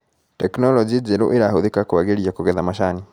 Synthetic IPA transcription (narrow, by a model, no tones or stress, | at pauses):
teknolod͡ʒiziɾṵʔiɾahuðikakuβaɡiɾiakuɡeðamaʃani